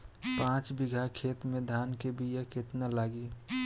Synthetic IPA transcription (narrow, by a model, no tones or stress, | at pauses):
pãːt͡ʃbɪɡʱakʰeːt̪mẽd̪ʱaːnkebijəkɪt̪nalaːɡiː